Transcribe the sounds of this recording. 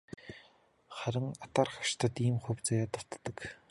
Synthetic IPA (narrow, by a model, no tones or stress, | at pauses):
χæɾə̆ŋat̪aːrχḁʃt̪ʰə̆t̪iːmχɵwʲt͡sajat̪ə̆wt̪ːə̆k